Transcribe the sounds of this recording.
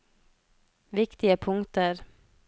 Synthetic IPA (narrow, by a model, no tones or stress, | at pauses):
ʋɪkt̪ɪəpʰʊŋt̪əɾ